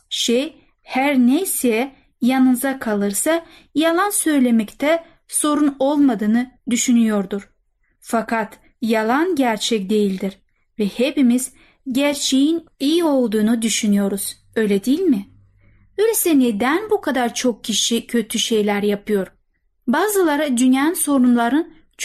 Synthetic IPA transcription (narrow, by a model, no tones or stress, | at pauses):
ʃej | hæɾnejsijɛ | janɯnzakʰalˠɯɾsa | jalˠansø̞jlʲe̞mɛct̪ʰɛ | so̞ɾuno̞lˠmad̪ɯːnɯd̪yʃynyjo̞ɾd̪uɾ̥ | fakʰat̪ | jalˠanɟæɾt͡ʃʰɛcd̪e̞jilʲd̪iɾ | vɛhepimiz̥ | ɟæɾt͡ʃʰe̞jinijio̞lˠd̪uːnud̪yʃynyjo̞ɾuz̥ | ø̞jlʲɛd̪ijilʲmɪ | bølʲesɛned̪ænbukʰad̪aɾt͡ʃʰo̞k̚cʰːiʃicʰø̞t̪ʰyʃe̞jlʲæɾjapʰɯjo̞ɾ | baːzɯlˠaɾad̪ynjaɯnso̞ɾunlˠaɾɯn | t͡ʃ